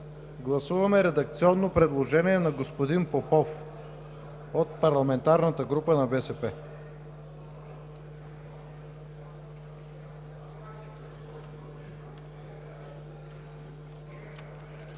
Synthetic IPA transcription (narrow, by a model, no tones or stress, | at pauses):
ɡlˠɐsuvɐmɛɾɛd̪ɐk̚t̪siɔnːopɾɛd̪lˠoʒɛniɛnɐɡospod̪inpopɔf | ot̪̚pɐɾlˠɐmɛnt̪aɾnət̪əɡɾupənɐbɛsɛpɛ